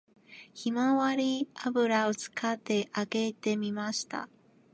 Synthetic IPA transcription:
çimaβaɾʲiabɯ̟ɾao̞t͡sɨ̥kat̪ːe̞ʔaɡe̞t̪e̞mʲimaɕi̥t̪a̰

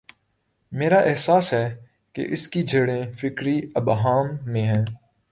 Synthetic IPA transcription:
meːɾaʔɪɦsaːsɦɛː | kḛʔɪskid͡ʒʱeːɽẽfɪkɾiɐbɦaːmːẽɦɛ̃ː

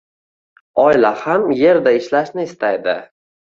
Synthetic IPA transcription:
ɒlahamje̞ɾd̪aɪʃlaʃnɪːst̪ʰajd̪ɪ̰

